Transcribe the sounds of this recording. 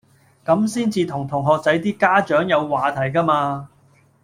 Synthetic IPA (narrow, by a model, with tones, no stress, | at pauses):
kɐ˨˥msiː˥nt͡siː˧t̪ʰʊ˨˩ŋt̪ʰʊ˨˩ŋɦɔː˨k̚t͡sɐ˨˥jt̪iː˥kaː˥t͡ʃœː˨˥ŋjɐ˨˧wːaː˨t̪ʰɐ˨˩jkaː˥maː˧